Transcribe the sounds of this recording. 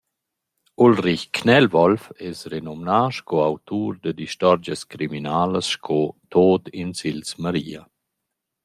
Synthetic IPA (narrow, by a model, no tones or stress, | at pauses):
ulriçkʰnɛlvɔlfɛsɾenɔmnaːʃkʰɔawt̪uːɾd̪əd̪iʃt̪ɔɾd͡ʒəskɾiminaːləsʃkʰɔt̪oːt̪insilsmaɾiːa